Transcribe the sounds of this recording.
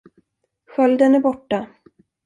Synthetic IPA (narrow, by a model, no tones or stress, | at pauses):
ɧœld̪ənæɾbɔʈːa